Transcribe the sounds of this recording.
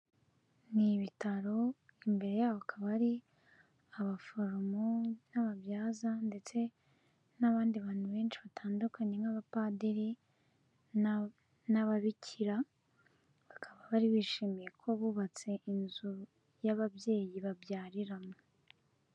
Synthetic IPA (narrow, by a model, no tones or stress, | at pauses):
niβitaɾo̞imbe̞ɾe̞jaːβoakʰaβaɾi | aβafo̞ɾomonaβaβjaːzande̞t͡se̞ | naβaːndiβaːn̥huβe̞ːnʃiβatʰaːndukʰaɲe̞ŋaβapadeɾi | naβaβicʰiɾa | βakʰaβaβaɾiβiːʃiːmije̞kʰo̞βuβat͡se̞ʔinzu | jaβaβje̞ːjiβabjaːɾiɾamo